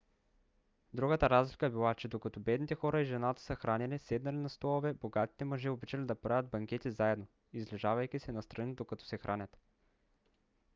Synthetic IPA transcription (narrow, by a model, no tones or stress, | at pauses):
d̪ɾuɡət̪əɾazlikəbilˠat͡ʃɛd̪okɐt̪ɔbɛd̪nit̪ɛxɔɾəiʒɛnat̪ə̥səxɾanilisɛd̪nɐlinɐst̪ɔlˠovɛboɡat̪i̥t̪ɛmɐʒiobit͡ʃəlid̪ɐpɾavʲət̪̚bɐŋkʲɛt̪izaɛd̪no | izlɛʒavɐjkʲisɛnɐst̪ɾɐnid̪okɐt̪ɔ̥sɛxɾʔanʲɐt̪